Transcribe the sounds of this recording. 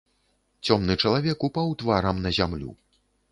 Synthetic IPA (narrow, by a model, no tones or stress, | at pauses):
t͡sʲɔmn̪ɨt͡ʂɐlˠavʲɛkupawt̪vaɾɐmnɐzʲamlʲṵ